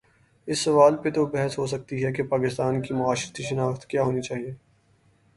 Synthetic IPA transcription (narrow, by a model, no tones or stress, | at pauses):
ɪsːɐʋaːlpet̪obɛɦɛsɦos̬ɐk̚t̪iɦɛkepaːkɪst̪aːnkimʊaːʃɪɾət̪iʃɐnaːxt̪kjaːɦoːnit͡ʃaːɦieː